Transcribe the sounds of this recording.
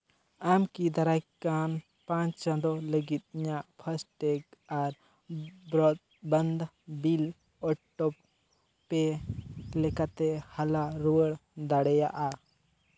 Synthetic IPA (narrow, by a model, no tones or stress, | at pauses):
amkid̪aɾakan | pãɲt͡ʃãnd̪ɔləɡit̪̚ɲaʔpʰəsʈɛkaɾ | bɾɔt̪̚bənd̪ | bil | ɔʈːɔpː | ɛ | lɛkat̪ɛhalaɾuwəɽd̪aɽɛjaʔa